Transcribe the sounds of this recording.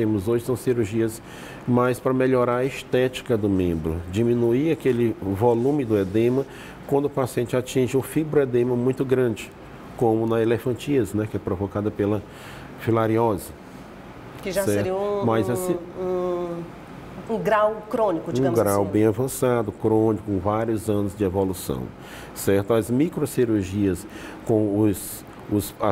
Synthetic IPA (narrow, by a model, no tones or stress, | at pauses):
t̪ẽmʊzoʒɪsɐ̃w̃siɾuɾʒiɐs | majspɾɐmeʎɔɾaɾɐist̪ɛt͡ʃi̥kɐd̪ʊmẽmbɾʊ̰d͡ʒimĩnuiakelɪvolũmɪd̪ʊed̪ẽmɐ | kwɐ̃nd̪ʊpasiẽnt͡ʃɪat͡ʃĩʒɪũfibɾʊed̪ẽmɐmũj̃t̪ʊɡɾɐ̃d͡ʒɪ | kõmʊnɐelefɐ̃t͡ʃiɐsnɛkɪɛpɾovɔkad̪ɐpelɐ | filaɾiɔzɪ | kɪʒasɛɾetiũmɐzasĩũ | ũɡɾawkɾõnikʊd͡ʒũɡɾawbẽj̃avɐ̃sad̪ʊkɾõnikʊũvaɾjʊzɐ̃nʊzd͡ʒɪevolusɐ̰̃w̃ | sɛɾt̪ʊɐzmikɾosiɾuɾʒiɐskõw̃ʊs | ʊsa